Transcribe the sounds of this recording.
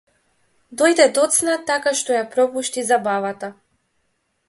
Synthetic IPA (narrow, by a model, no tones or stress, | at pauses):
d̪ɔjd̪ɛd̪ɔt̪snat̪akaʃt̪ɔjapɾɔpuʃt̪izabavat̪a